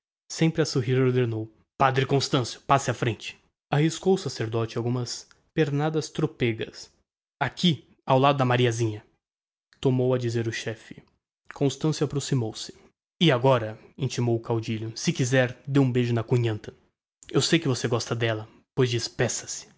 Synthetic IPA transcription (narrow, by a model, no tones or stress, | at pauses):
sẽmpɾɪɐsoɦiɾoɾd̪eɾnow | pad̪ɾɪkõst̪ɐ̃sjʊ̥pasɪɐfɾẽnt͡ʃɪ̥ | ahiskowʊsaseɾd̪ɔt͡ʃɪawɡũmɐs | peɾnad̪ɐst̪ɾopeɡɐ̰s | akʰi | awlad̪ʊd̪ɐmaɾiɐzĩɲɐ | t̪omowɐd͡ʒizeɾʊʃɛfɪ̥ | kõst̪ɐ̃sjuapɾosimowsɪ̥ | ɪaɡɔɾɐĩnt͡ʃimowʊkawd͡ʒiʎʊsɪkizɛɾd̪eũbeʒʊnɐkuɲɐ̃nt̪ɐ̥ | ewsejkɪvoseɡɔst̪ɐd̪ɛlɐ | pojzd͡ʒispɛsɐ̥sɪ̥